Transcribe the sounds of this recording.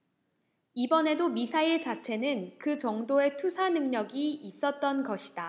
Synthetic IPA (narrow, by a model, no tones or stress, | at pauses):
ibʌne̞domisʰaiɭt͡ɕat͡ɕʰe̞nɯnkɯt͡ɕʌŋdoe̞tʰusʰanɯŋɲʌɡiːs͈ʌt̚t͈ʌnɡʌɕʰi̥d̥a